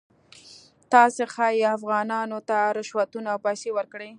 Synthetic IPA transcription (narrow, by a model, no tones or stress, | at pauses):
t̪ɑsexɑjafɣɑnɑnot̪aɾɪʃwat̪unawpɑjsewəɾkɽe